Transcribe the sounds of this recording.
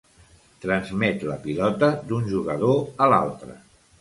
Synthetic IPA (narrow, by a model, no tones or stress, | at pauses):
t̪ɾənzmɛt̪ləpilɔt̪əd̪unʲʒuɣəðoəla̰lˠt̪ɾə̰